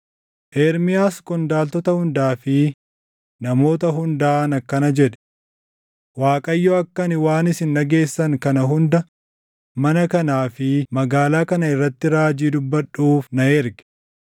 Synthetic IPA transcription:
ʔeːɾmɪjaːskʼɔnd̪aːlt̪ɔt̪ɐhʊnd̪aːfɪ | nɐmo̞ːt̪ɐɦʊnd̪aːnɐkːɐnɐd͡ʒɛᶑɛ̥ | waːkʼɐjːɔɐkːɐnɪwaːnɪsɪnːɐɡe̞ːsːɐŋkɐnɐɦʊnd̪ɐ | mɐnɐkɐnaːfɪmɐɡaːlaːkɐnɐɪrːɐt̪ːɪɾaːd͡ʒiːd̪ʊbːɐᶑuːfnɐɛɾɡɛ̥

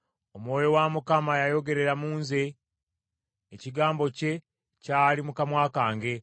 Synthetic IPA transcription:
o̞mwo̞ːjo̞wamukamajajo̞ɡe̞ɾe̞ɾamuːnze̞ | ciɡaːmbo̞ce̞ | caːlimukamwaːkaːŋɡe̞

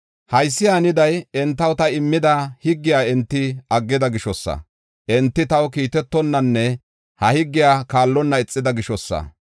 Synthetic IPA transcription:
hɐjsːɪjaːnɪd̪ɐjɛnt̪ːɐwt̪ɐɪmːɪd̪ɐhɪɡːɪjaːɛnt̪ːɪɐɡːɪd̪ɐɡɪʃɔsːɐ̰ | ʔɛnt̪ːɪt̪ɐwkiːt̪ɛt̪ːɔnːɐnːɛ | hɐhɪɡːɪjaːkaːlːɔnːɐɪt͡sʼːɪd̪ɐɡɪʃɔsːɐ̰

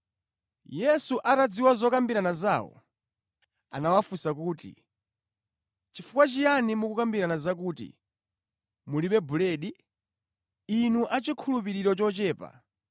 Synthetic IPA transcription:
jɛsuʔatad͡ziwazɔkambiɾanaza̰ːwɔ̰ | a̰nawafusakuːtḭ | t͡ʃifukwat͡ʃijanimukukambiɾanazak̬uːtḭ | muliɓɛbulɛɗi | nuʔat͡ʃikʰulup̬iɾiɾɔt͡ʃɔt͡ʃɛːpa̰

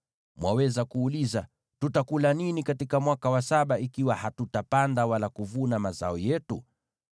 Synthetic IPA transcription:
mwawɛzakuːliza | tutakulaninikatikamwakawasaɓaikiwahatutapandawalakuvunamaza̰ɔjɛtu

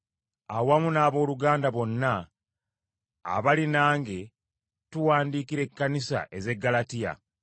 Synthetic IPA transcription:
awamunaːβo̞ːluɡaːndaβo̞nːa | βalinaːŋɡe̞ | tuwaːndiːkiɾe̞kːanisa̰ʔe̞ze̞ɡːalatija̰

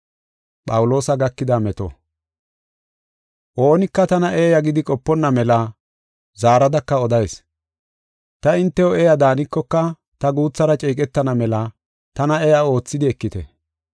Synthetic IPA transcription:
pʼɐwʊlo̞ːsɐɡɐkːɪd̪ɐmɛt̪ɔ̰ | ʔo̞ːnɪkːɐt̪ɐnɐʔeːjɐɡɪd̪ɪkʼɔpːɔnːɐmɛlɐ | zaːɾɐd̪ɐkːɐɔd̪ɐjs | t̪ɐɪnt̪ːɛɔeːjɐd̪aːnɪkːɔkːɐ | t̪ɐɡuːt͡sːɐɾɐt͡ʃʼiːk̬ʼɛt̪ːɐnɐmɛlɐ | t̪ɐnɐɛjao̞ːt͡sːɪd̪ɪɛkːɪt̪ɛ̰

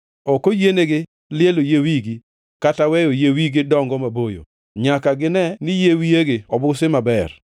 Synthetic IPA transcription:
ɔkojeneɡɪ | lɪelojewiɡi | katawɛjojewiɡɪdɔŋɡɔmabojo̰ | ɲakaɡɪnɛnɪjewijeɡɪɔbʊsɪmabɛr

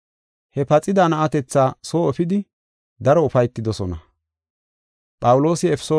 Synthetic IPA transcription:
hɛpɐt͡sʼɪd̪anɐʔɐt̪ɛt͡sːaːsoːɛfɪd̪ɪ | d̪ɐɾɔʊfɐjt̪ːɪd̪ɔsɔnɐ | pʼɐwʊlo̞ːsɪɛpɛ̥soː

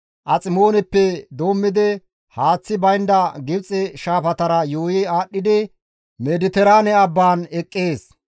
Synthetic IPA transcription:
ʔɐt͡sʼɪmo̞ːnɛpːɛd̪o̞ːmːɪd̪ɪ | haːt͡sːɪbɐjnd̪ɐɡɪbt͡sʼːɛʃaːfɐt̪ɐɾɐjoːjɪaːɗːɪd̪ɪ | mɛd̪ɪt̪ɛɾaːnɛɐbːaːnɛkʼːeːs

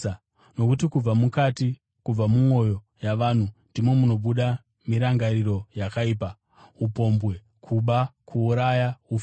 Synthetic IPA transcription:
no̞kut̬ikub͡vamukati | kub͡vamuŋo̞jo̞ | jaʋaːn̤undimwe̞muno̞ɓuɗa | miɾaŋɡaɾiɾo̞jakaiːpa | upo̞mbwe̞ | kʰuɓakʰuːɾajauf

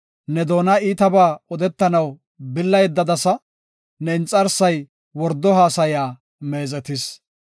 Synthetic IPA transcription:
nɛd̪o̞ːnɐiːt̪ɐbaːɔd̪ɛt̪ːɐnɐw | bɪlːɐjd̪ːɐd̪ɐsɐ | nɛɪnt͡sʼːɐɾsɐj | wɔɾd̪ːɔɦaːsɐjaː | me̞ːzɛt̪ɪs

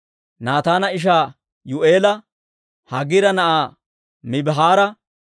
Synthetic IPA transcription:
naːt̪aːnɐɪʃ̬aː | jʊʔeːlɐ | hɐɡɪɾɐnɐʔaː | mɪbɦaːɾɐ

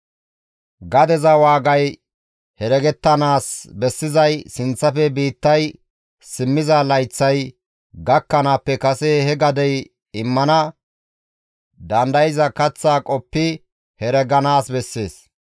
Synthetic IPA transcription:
ɡɐd̪ɛzɐwaːɡɐj | hɛɾɛɡɛt̪ːɐnaːsbɛsːɪzɐjsɪnt͡sːɐfɛbiːt̪ːɐj | sɪmːɪzɐlɐjt͡sːɐj | ɡɐkːɐnaːpːɛkɐsɛhɛɡɐd̪ɛj | ɪmːɐnɐ | d̪ɐnd̪ɐjɪzɐkɐt͡sːaːkʼɔpːɪ | hɛɾɛɡɐnaːsbɛsːe̞ːs

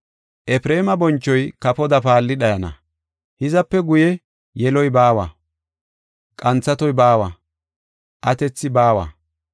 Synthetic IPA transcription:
ʔɛpɾeːmɐbɔnt͡ʃːɔjkɐpɔd̪ɐpaːlːɪɗɐjɐnɐ̰ | hɪzɐpːɛɡʊjɛ | jɛlɔjbaːwɐ | kʼɐnt͡sːɐt̪ɔjbaːwɐ | ʔɐt̪ɛt͡sːɪbaːwɐ̰

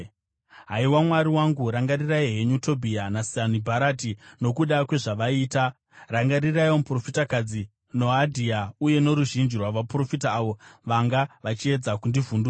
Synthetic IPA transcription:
ɦaiwamwaɾiwaŋɡuɾaŋɡaɾiraiɦeɲutʰo̞bʱianasianibʱaɾatino̞kuɗakwe̞ʐaʋaiːta | raŋɡaɾiraiomupro̞fitakad͡zi | no̞adʱiauje̞no̞ɾuʒind͡ʒirwaʋapro̞fitaːʋo̞ʋaŋɡaʋat͡ʃie̞d͡zakundivunduːa

